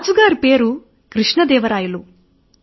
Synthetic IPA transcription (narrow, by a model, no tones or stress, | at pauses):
d͡ʒuɡaːɾpeːɾu | kɾiʂɳɐd̪ɛːʋɐɾaːjulu